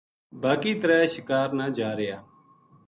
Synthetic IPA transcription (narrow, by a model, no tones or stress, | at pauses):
baːkiːt̪əɾɛːʃɪkaːɾnaːd͡ʒaːɾɪjaː